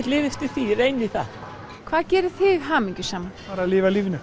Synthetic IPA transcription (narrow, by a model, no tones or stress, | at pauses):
t̪lɪːvɪst̪ɪθiɾejniθa̰ð | kʰv̥aːðcɛːɾʏθɪɣɦaːmiɲcʏsaːmapaːɾalɪːvaliːvnʏ